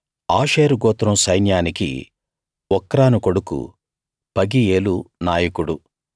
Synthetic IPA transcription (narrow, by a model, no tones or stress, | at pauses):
aːʃeːɾuɡɔːt̪ɾɐmsɐjnjaːnikḭ | ɔkːɐɾaːnukoɽukṵ | pɐɡieːlunaːjɐkuɽu